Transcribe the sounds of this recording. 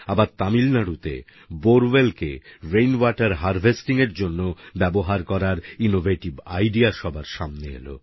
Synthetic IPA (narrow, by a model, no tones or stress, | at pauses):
abaɾt̪amilnaɽut̪ḛ | boɾwelkḛɾejnwaʈaɾɦaɾvʱesʈiŋeɾd͡ʑonːobɛboɦaɾkɔɾaɾinovʱeʈibajɖiaʃɔbʱaɾʃamneḛlo̰